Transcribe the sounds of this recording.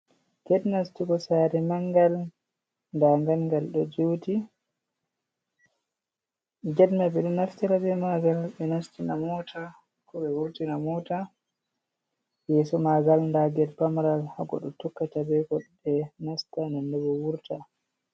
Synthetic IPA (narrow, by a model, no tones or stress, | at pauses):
ɡɛɗnastikɔsaɾɛmaŋɡal | ndaŋɡalŋɡalɗɔd͡ʒuti | d͡ʒɛdmaɓɛɗɛnaftiɾabɛmaɡalɓɛnastinamɔtʰa | kɔɓɛwuɾtinamɔta | jɛsɔmaɡalndaɡɛlpamɾalhaɡɔ̰ɗɔtukːatabɛkɔɗ | ɛnastanandɛbɔwuɾta